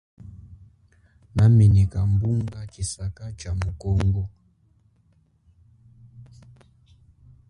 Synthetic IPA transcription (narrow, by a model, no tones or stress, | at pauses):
naminikambuŋɡat͡ʃisakat͡ʃamukɔŋɡɔ